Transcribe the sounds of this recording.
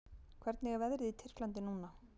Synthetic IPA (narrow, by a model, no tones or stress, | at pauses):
kʰvɛɾt̪nɛɣavɛðɾɪðit̪ʰɪr̥klant̪ɪnuːna